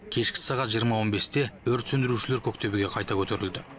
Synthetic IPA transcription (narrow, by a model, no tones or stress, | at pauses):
kʲʰe̞ʃkʲɪ̥sɑʁɑt̪ʒijəɾmɑwo̞nbe̞st̪e̞ɵɾt̪sɵnd̪ɪɾuʃɪle̞ɾkʲʰɵk̚t̪e̞bɪɡʲe̞qʰɑjt̪ɑkʲʰɵt̪e̞ɾɪld̪ɪ